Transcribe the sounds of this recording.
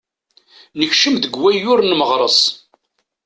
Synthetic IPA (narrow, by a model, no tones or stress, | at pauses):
nəçʃəmðəɡwæjʊɾnməʁɾˤəsˤ